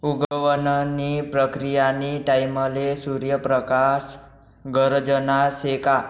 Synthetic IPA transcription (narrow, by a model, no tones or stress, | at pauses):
uɡʋənnipɾəkɾijaniʈaiməlesuɾjəpɾəkas | ɡəɾd͡ʒənaseka